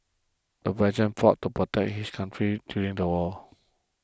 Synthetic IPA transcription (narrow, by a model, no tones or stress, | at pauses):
d̥əvɛd͡ʒə̃nfɔtːupɹotɛk̚hiskʰãntʰɹidjuɹĩŋdəwɔ